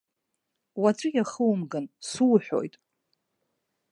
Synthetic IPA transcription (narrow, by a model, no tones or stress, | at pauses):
wat͡sʷʼɨjaχəwmɡansuwħʷᶣo̰jtʼ